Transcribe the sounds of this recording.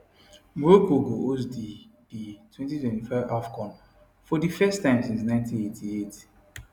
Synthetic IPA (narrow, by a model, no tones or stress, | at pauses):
mokoɡoos̬dib̥itʰwɛ̃ntitwɛ̃ntifaɪvafkʰɔ̃n | fɔdifɛstːãɪ̃msĩnsnãɪ̃ntĩnetʰiet